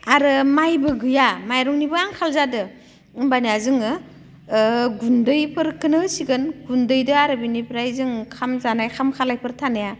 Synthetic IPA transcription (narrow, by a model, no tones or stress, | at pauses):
aɾɯmajbɯɡɯjamajɾɔŋnibɯaŋkʰalzadɯ | ɯmbaniazɯŋɯ | ɡundɯjpʰɯɾkːɯnɯsiɡɯnɡundɯjdɯaɾɯbinipʰɾajzɯŋkʰamzanajkʰamkʰalajpʰɯɾtʰanaja